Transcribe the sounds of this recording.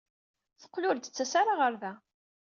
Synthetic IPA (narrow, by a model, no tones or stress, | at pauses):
θə̥qːlʊɾd̪ət͡sːæsaɾaʁəɾðæ